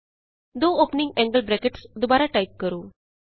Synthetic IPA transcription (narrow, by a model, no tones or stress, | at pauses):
d̪oːoːpnĩŋɡɛ̃ŋɡəlbɾɛkeʈsd̪ubaːɾaʈaɪp̚kəɾuː